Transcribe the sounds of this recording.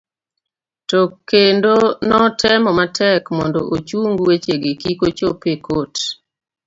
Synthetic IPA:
tɔkːendonɔtʰɛmɔmatʰɛkmɔndɔʔot͡ʃuŋɡwet͡ʃeɡekikot͡ʃopekot

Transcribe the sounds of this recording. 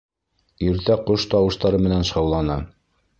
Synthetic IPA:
iɾt̪æqoʃt̪ɑwɤ̆ʃt̪ɑɾɤmɘ̆nænʃɑwlˠɑnɑ

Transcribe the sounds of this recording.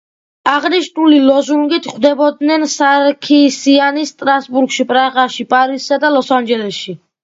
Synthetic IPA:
aʁniʃnulilɔzuŋɡit̪ʰχwd̪ɛbɔd̪nɛnsaɾkʰisianist̪ʼɾasbuɾkʃipʼɾaʁaʃipʼaɾissad̪alˠɔsand͡ʒɛlɛsʃi

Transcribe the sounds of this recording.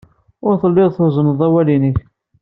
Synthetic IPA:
ʊɾθəlːɪʁθʊzˤənəðˤæwælinəç

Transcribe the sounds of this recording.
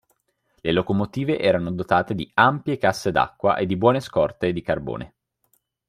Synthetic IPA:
lelokomot̪iːveʔɛːɾanod̪ot̪aːt̪ed̪iampjekasːed̪a̰kːwa̰ʔed̪ːibwɔːneskɔrt̪ed̪ikarbo̰ːnʔḛ

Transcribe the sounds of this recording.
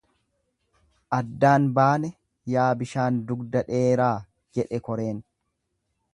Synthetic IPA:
ʔɐd̪ːaːnbaːnɛ | jaːbɪʃaːnd̪ʊɡd̪ɐᶑeːɾaː | d͡ʒɛᶑɛkɔɾeːn

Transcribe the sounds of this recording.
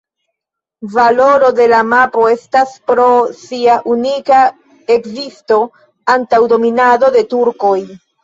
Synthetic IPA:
valo̞ɾo̞de̞lamapo̞e̞staspɾo̞siaʔunika | e̞kzisto̞ | antawdo̞minado̞de̞tuɾko̞j

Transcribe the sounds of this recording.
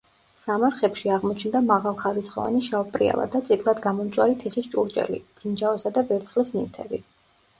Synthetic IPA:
samaɾχɛpʃiaʁmɔt͡ʃʰnd̪amaʁalˠχaɾisχɔva̰niʃaɔpʼɾḭa̰lˠa̰d̪at̪sʼit̪ʰʼlˠad̪ɡamɔmt̪sʼwaɾit̪ʰiχist͡ʃʼuɾt͡ʃʼɛ̰lḭb̥ɾind͡ʒaɔsad̪abɛɾt̪sʰχlɛsnimt̪ʰɛbi

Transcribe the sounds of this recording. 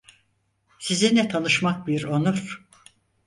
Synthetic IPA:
sizinɛt̪ʰanɯʃmak̚biɾonuɾ̥

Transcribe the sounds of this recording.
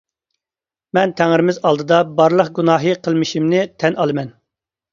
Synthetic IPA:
mɛnt̪ʰæŋɾɪmɪzɑlˠd̪ɨd̪ɑbɑɾlˠəqɡunɑːɦɨqʰəlˠmɪʃimnɪt̪ʰɛnʔɑlˠɨmɛn

